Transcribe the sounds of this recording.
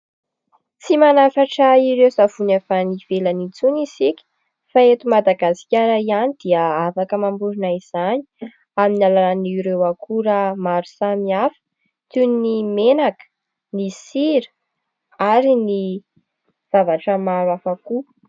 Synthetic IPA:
t͡simanafaʈ͡ʂaiɾewzavunafaniv̥elənit͡sunizikʲi̥ | faet̪umad̪aɡasi̥kʲaɾaianid̪iəafakəmambuɾinaiz̥aɲi̥ | aminalananiɾewakʰuɾamaɾusamiafə̥ | t̪unnimenakə̥ | nisiɾə̥ | aɾini | v̥avaʈ͡ʂəmaɾwafaku

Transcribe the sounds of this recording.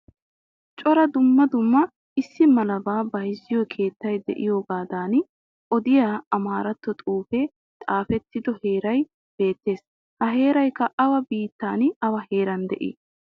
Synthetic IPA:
t͡ʃʼɔɾɐd̪ʊmːɐd̪ʊmːɐ | ɪsːɪmɐlɐbaːbɐjɪzːɪjɔkʰe̞ːt̪ːɐjd̪ɛ̰ʔɪjoːɡaːd̪aːn | ʔɔd̪ɪjaːɐmaːɾɐt̪ːɔt̪ʼuːfɛ | t̪ʼaːfɛt̪ːɪd̪ɔhe̞ːɾɐj | b̥e̞ːt̪ːe̞ːs | hɐɦe̞ːɾɐjkːɐʔɐwɐbiːt̪ːaːnɐwɐheːɾɐnd̪ɛ̰ʔɪ̰

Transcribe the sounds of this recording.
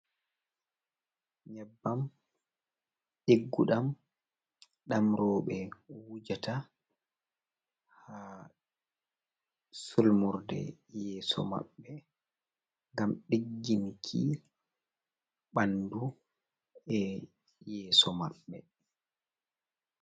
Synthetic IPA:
ɲɛbːam | ɗeɡːuɗam | ɗamɾɔːɓɛwud͡ʒatʰa | ha | sulmuɾdɛ̰jɛːsɔ̰ma̰ɓːɛ | ŋɡamɗiɡːimikʰi | ɓandu | ɛ | jɛːsɔma̰ɓːɛ

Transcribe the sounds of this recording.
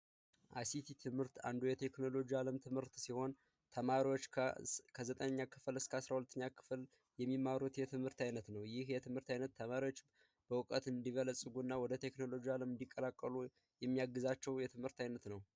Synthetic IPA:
ʔa̰jsit̪ʰit̪ʰɨmhɨɾt̪a̰nd̪ujɛt̪ʰe̞kno̞lo̞d͡ʒialəmt̪ʰɨmhɨɾt̪siho̞n | t̪ʰəmaɾiwo̞t͡ʃːʰkʰəzət̪ʼəɲɲːakʰɨflɨskʰəasɾahulət̪ʰːəɲːakʰɨ̥fl | jɛmːimːaɾut̪jɛt̪ʰɨmhɨɾt̪ʰajnət̪nəwjɪhjɛt̪ʰɨmhɨɾt̪ajnət̪ʰːəmaɾiwo̞t͡ʃː | b̥əwɨkʼət̪ɨnd̪iβələsʼɨɡunːawɔd̪ət̪ʰe̞kno̞lo̞d͡ʒialəmɨnd̪ikʼːəlakʼːəlu | jɛmːijaɡːɨzat͡ʃːɛwjɛt̪ʰɨmhɨɾt̪ajnət̪nəw

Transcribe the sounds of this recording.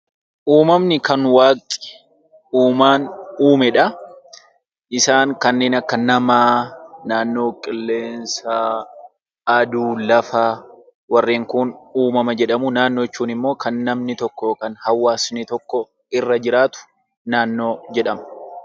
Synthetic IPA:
ʔuːmɐmnɪkɐnwaːkʼɪ̥ | ʔuːmaːnuːmɛᶑɐ | ʔɪsaːŋkɐnːe̞ːnɐkːɐnɐmaːnaːnːo̞ːkʼɪlːe̞ːnsaː | ɐd̪uːlɐfa | wɐrːeːŋkʊnuːmɐmɐd͡ʒɛᶑɐmʊnaːnːoːɪt͡ʃːuːnɪmːo̞ːkʰɐnːɐmnɪt̪ɔkːɔkɐnhɐwːaːsnit̪ɔkːɔ | ɪrːɐd͡ʒɪɾaːt̪ʊ̥ | naːnːo̞ːd͡ʒɛᶑɐmɐ

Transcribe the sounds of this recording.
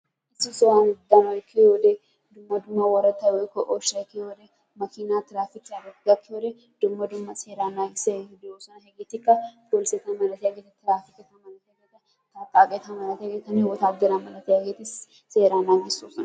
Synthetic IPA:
ɪsɪsɔwanɡd̪ɐnoɪkːɪod̪e | d̪ʊmːɐd̪ʊmːɐwɐɾɐt̪ːɐwekɔʔoʃɐkːɪhɔd̪ɛ | mɐkinaːt̪ɪɾaːfɪkːɪɐɡɐtɡɐkːɪɔɾe | d̪̥ʊmːɐd̪ʊmːɐseːɾaːnaːɪsed̪oːsɐnɐɦɛɡet̪ɪkːɐd̪olseːt̪ɐmɐlɐt̪ɛɐɡet̪ɐt̪ɪɾaːfɪkɪt̪ɐmɐlɐt̪ɛɡet̪ːɐ | t̪akʼːaːket̪ɐmɐlɐt̪ɡet̪ːɐnwɔt̪aːɡ̪ɐlamɐlɐt̪ɪɡet̪ɪs | seːɾaːnaːɡɪsːusɐn

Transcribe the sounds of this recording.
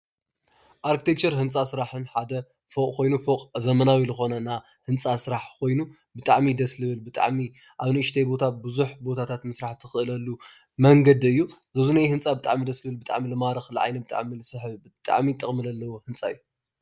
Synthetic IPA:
ʔaɾkʰi̥t̪ʰekt͡ʃɐɾɦɨnt͡sʼasɨɾaħɨnħad̪ɐ | fokʼkʰo̞jnufokʼzɐmɐnawizɨxo̞nɐna | hɨnt͡sʼasɨɾaħkʰo̞jnu | bɨt̪ʼaʕmid̪ɐslɨβɨlbɨt̪ʼa̰ʕmi | ʔaβnɨʔɨʃt̪ʰejbo̞t̪ʰabɨzuħbo̞t̪ʰat̪ʰat̪mɨsɾaħt̪ʰːɨ̥xɨʔɨlɐlːu | mɐŋɡɐd̪ɨjːuzɐzunajhɨnt͡sʼabɨt̪ʼa̰ʕmid̪ɐslɨβɨlbɨt̪ʼa̰ʕmilɨmaɾɨxlɨʕa̰jnɐbɨt̪ʼa̰ʕmilɨsɨħɨβbɨt̪ʼa̰ʕmit̪ʼɨχʼmɨlɐlːɐwohɨnt͡sʼaɨjːu

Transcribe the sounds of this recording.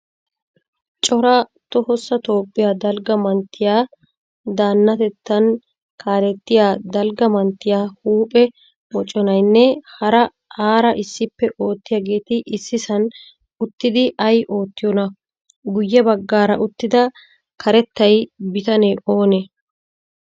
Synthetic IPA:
t͡ʃʼɔɾɐt̪ɔhɔsːɐt̪o̞ːpʼːɪjaːd̪ɐlɡɐmɐnt̪ːɪjaː | d̪aːnːɐt̪ɛt̪ːɐn | kʰaːɾɛt̪ːɪjaːd̪ɐlɡɐmɐnt̪ːɪjaːhuːpʼɛ | wɔt͡ʃʼːɔnɐjnːɛhɐɾɐ | aːɾɐʔɪsːɪpːɛʔo̞ːt̪ːɪjaːɡe̞ːt̪ɪʔɪsːɪsɐn | ʊt̪ːɪd̪ɪʔɐjʔo̞ːt̪ːɪjɔnɐ | ɡʊjːɛbɐɡːaːɾɐʔʊt̪ːɪd̪ɐ | kʰɐɾɛt̪ːɐjbɪt̪ɐneʔo̞ːnɛ

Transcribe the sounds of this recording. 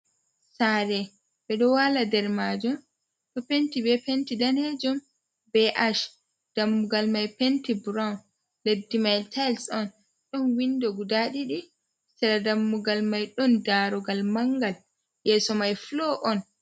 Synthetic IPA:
saɾɛ | bɛɗɔwaladɛɾmad͡ʒɔm | tɔpentibɛpentidanhɛd͡ʒɔm | bɛʔaʃ | d̥amːuɡalmajpentibɾawn | ledːimajltʰajlsɔn | ɗɔnwindɔɡudaɗiɗi | sɛɾadamːuɡalmajɗɔndaɾɔɡalmaŋɡal | jɛːsɔmajflɔʔɔn

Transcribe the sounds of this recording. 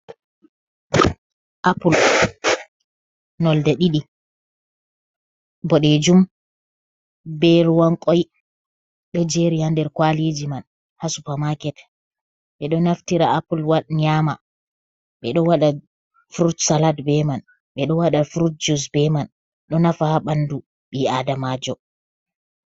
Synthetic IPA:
ʔapul | nɔldaɗiɗi | bɔɗɛd͡ʒum | bɛlwaŋkʼɔj | ɗɔd͡ʒeɾihandɛɾkwalid͡ʒiman | hasupamakɛt | ɓɛɗɔnaftiɾaːpulwaɗɲama | ɓɛɗɔwaɗa | fuɾutsaladbɛman | ɓɛɗɔwaɗafuɾut̚d͡ʒus̬bɛman | ɗɔnafahaɓandu | ɓiadamaːd͡ʒɔ

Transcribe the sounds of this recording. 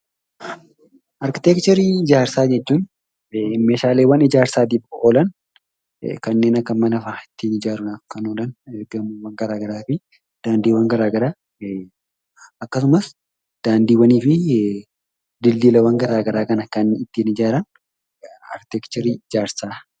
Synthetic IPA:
ʔɐɾkɪt̪ekt͡ʃɛɾiːɪd͡ʒaːɾsaːd͡ʒɛt͡ʃːuːn | meːʃaːleːwɐnɪd͡ʒaːɾsaːt̪̬iːfoːlɐn | kɐnːe̞ːnɐkːɐmɐnɐfaːɪt̪ːiːnɪd͡ʒaːɾʊnɐkɐnoːlɐnɡɐmɐwɐŋɡɐɾaːɡɐɾaːfɪ | d̪̥aːnd̪iːwɐŋɡɐɾaːɡɐɾaː | ɐkːɐs̬ʊmɐs | d̪̥aːnd̪iːwɐniːfɪ | d̪ɪlːiːlɐwɐŋɡɐɾaːɡɐɾaːkɐnɐkɐnɪt̪ːiːnɪd͡ʒaːɾɐn | ɐ̰ɾkɪt̪ekt͡ʃɛɾiːɪd͡ʒaːɾsaː

